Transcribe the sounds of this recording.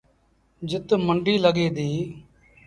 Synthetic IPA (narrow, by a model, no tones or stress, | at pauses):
d͡ʒɪt̪məɳɖiːləɡeːd̪iː